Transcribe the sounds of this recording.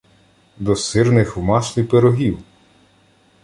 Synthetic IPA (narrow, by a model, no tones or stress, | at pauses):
d̪ɔsɪrnɪxwmɑʃlʲipeɾɔɦʲiw